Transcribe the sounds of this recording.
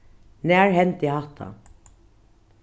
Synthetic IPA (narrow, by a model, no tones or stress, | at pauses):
næːɹɦɛnt̪ɪhaht̪ʰa̰